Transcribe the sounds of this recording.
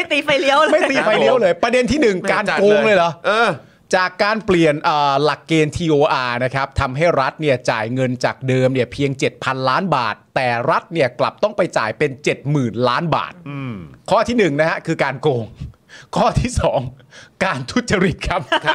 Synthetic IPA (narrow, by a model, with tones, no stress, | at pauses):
t̪iː˧fa˧jli˦˥əwma˥˩jt̪iː˧fa˧jli˦˥əwlɤː˧jpɾa˧de˧nt̪ʰiː˥˩nɯ˨˩ŋkaː˧nkoː˧ŋlɤː˧jlɔ˦ʔɤː˧ | t͡ɕaː˨˩kːaː˧npli˨˩ənʔəː˨˩la˨˩kːeː˧nt̪ʰiː˧ʔoː˧ʔaː˧na˦˥kʰa˦˥p̚t̪ʰa˧mɦa˥˩jɾa˦˥t̪̚ni˥˩ɐt͡ɕaː˨˩jŋɤ˧nt͡ɕaː˨˩k̚dɤː˧mni˥˩ɐpʰi˧əŋt͡ɕe˨˩t̪̚pʰa˧nlaː˦˥nba̰ː˨˩t̪ːɛː˨˩ɾa˦˥t̪̚ni˥˩ɐkla̰˨˩p̚t̪ɔ˥˩ŋpa˧jt͡ɕa̰ː˨˩jpe˧nt͡ɕe˨˩t̪̚mɯː˨˩nlaː˦˥nba̰ː˨˩t̪̚kʰɔː˥˩t̪ʰiː˥˩nɯ˨˩ŋna˦˥kʰa˦˥kʰɯː˧kaː˧nkoː˧ŋ | kʰɔː˥˩t̪ʰiː˥˩sɔː˩˦ŋ | kaː˧nt̪ʰu˦˥t̪̚t͡ɕa˧ɾi˨˩t̪̚kʰa˦˥p̚ʰ